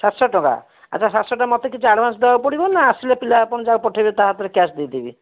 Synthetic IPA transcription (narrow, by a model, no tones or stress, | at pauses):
sat̪sɔʈɔ̃ka̰ | a̰ːt͡ʃʰasat̪sɔʈamɔt̪ekit͡ʃʰuaɽbansd̪ebapɔɽibɔnaːsilepilapɔɽ̃d͡ʒaɡpɔʈʰabet̪aɦat̪ɔɾekasd̪it̪ibḭ